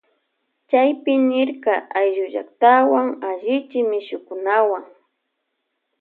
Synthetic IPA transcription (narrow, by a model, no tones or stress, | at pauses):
t͡ʃajpɪnɪɾkaʔajʒʊʒa̰k̚t̪awaŋaʒɪt͡ʃɪmɪʃʊkʊnawaŋ